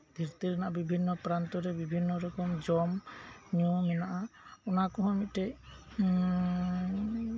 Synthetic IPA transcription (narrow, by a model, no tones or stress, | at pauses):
d̪ʱiɾt̪iɾɛnaʔabibʱinːɔpɾant̪ɔɾɛbibʱinːɔɾɔkɔmd͡ʒɔmɲɔmɛnaʔaɔnakɔɦɔ̃mit̪̚ʈɛj